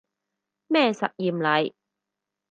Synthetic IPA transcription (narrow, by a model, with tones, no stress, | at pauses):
mɛː˥˩sɐ˨t̚jiː˨mlɐ˨˧j